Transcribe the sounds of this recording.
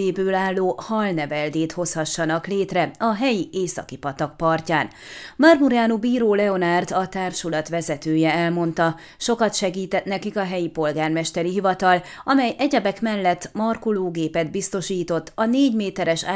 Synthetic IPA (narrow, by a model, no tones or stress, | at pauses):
eːbøːlaːlːoːhɒlnɛvɛld̪eːt̪ho̞shɒʃːɒnɒkleːt̪rɛɒɦɛjiʔeːsɒ̰kipɒt̪ɒk̚pɒrcaːn | mɒrmuɾaːnubiːɾoːlɛo̞nart̪ɒt̪aːrʃulɒt̪ʋɛzɛt̪øːjɛɛlmo̞nt̪ɒ | ʃo̞kɒt̪ʃɛɡiːt̪ɛt̪nɛkikɒɦɛjipo̞lɡaːrmɛʃt̪ɛɾiɦivɒt̪ɒlɒmɛjʔɛɟɛbɛkmɛlːɛt̪ːmɒrkuloːɡeːpɛd̪bist̪o̞ʃiːt̪o̞t̪ːɒneːɟmeːt̪ɛɾɛʃaː